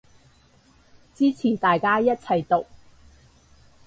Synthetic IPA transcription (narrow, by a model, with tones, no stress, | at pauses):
t͡siː˥t͡sʰiː˨˩nt̪aː˨jkaː˥jɐ˥t̚t͡sʰɐ˨˩jt̪ʊ˨k̚